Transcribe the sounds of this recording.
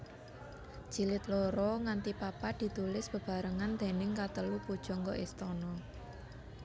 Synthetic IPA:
ʒ̥i̤lɪt̪lɔɾɔŋant̪ipapad̪̥i̤t̪ulɪsb̥ə̤b̥a̤ɾəŋand̪̥e̤nɪŋkat̪əlupud̥ʒ̥ɔ̤ŋɡɔʔɪst̪ɔnɔ

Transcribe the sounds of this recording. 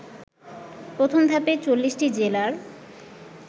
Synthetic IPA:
pɾot̪ʰomd̪ʱapet͡ɕolːisʈid͡ʑelaɾ

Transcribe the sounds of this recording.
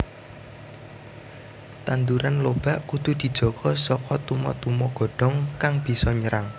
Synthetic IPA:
t̪and̪uɾanlob̥a̤ʔkud̪̥ṳd̪̥i̤d̥ʒ̥ɔ̤ɡ̥ʰɔsɔkɔt̪umɔt̪umɔɡ̥ɔ̤ɖ̥ɔ̤ŋkaŋb̥i̤sɔɲəɾaŋ

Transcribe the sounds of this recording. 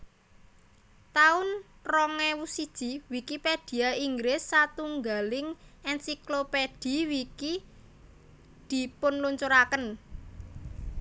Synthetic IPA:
t̪aʊnrɔŋɛwusid̥ʒ̥iwikiped̥i̤aiŋɡɾɪsːat̪uŋɡalɪŋʔɛnsikloped̥i̤wiki | d̪̥i̤pʊnluɲt͡ʃuɾakən

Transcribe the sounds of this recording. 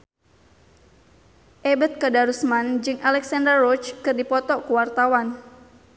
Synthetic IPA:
ʔebət̪̚kədaɾusmand͡ʒɨŋʔalɛksandərːɔt͡ʃkɨrdipɔt̪ɔkuwart̪awan

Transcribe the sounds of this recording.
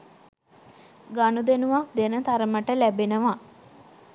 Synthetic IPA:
ɡanud̪enuʋak̚d̪enət̪aɾəməʈəlæbenəʋa

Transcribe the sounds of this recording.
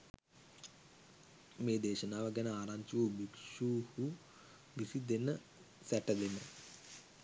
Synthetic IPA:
meːd̪eːʃənaːʋəɡænəaːɾaɲt͡ʃuʋəbikʃuːhu | ʋisid̪enə | sæʈəd̪enə

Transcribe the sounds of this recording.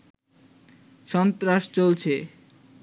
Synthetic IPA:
ʃɔnt̪ɾaʃt͡ɕolt͡ɕʰe

